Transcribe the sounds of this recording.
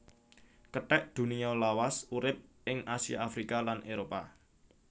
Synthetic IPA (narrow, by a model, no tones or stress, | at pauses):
kəʈɛʔd̪̥ṳniɔlawasuɾɪp̚ʔɪŋʔasija̰ːfɾikalanʔeɾopa̰